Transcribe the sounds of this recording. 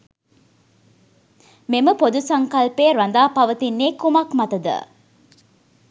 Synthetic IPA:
meməpod̪usaŋkalpeːɾand̪aːpaʋət̪inːeːkumakmat̪əd̪ə̰

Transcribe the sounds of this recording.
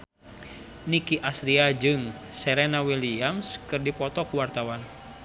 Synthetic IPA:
nikiʔasɾiad͡ʒɨŋ | sɛɾɛnawiliamskɨrdipɔt̪ɔkuwart̪awan

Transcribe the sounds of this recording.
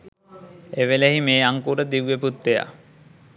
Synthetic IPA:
eʋeleɦimeːaŋkuːɾəd̪iʋʋeput̪ːeja̰

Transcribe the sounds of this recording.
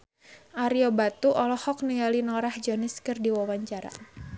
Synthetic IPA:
ʔaɾiɔbat̪uʔɔlɔhɔk̚niŋalinɔɾahd͡ʒɔnɪskɨrdiwawaɲt͡ʃaɾa̰

